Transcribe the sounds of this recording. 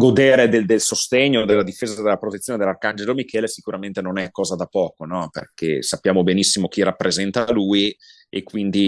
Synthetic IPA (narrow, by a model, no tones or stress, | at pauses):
ɡod̪eːɾed̪eld̪elsost̪eɲːod̪elːad̪ifeːzad̪elːapɾot̪et̪ːjoːned̪elːarkand͡ʒelomikʰɛːlesikuɾament̪enonɛkːɔːzad̪apɔːkonɔpḛrkesapːjaːmobenisːimok̟irapːɾezɛnt̪aluːi | ḛkːwind̪i